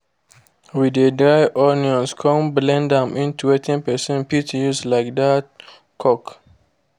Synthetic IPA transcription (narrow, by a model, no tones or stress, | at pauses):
widədɹaɪʔɔniɔ̃nskʰɔ̃mblɛ̃ndãmʔĩntuɛtʰɛ̃npɛsɛ̃npitjuslaɪk̚dat | kʰɔk